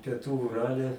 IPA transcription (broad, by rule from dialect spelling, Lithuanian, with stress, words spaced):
pʲiɛˈtuː ʊˈrɑːlʲɛ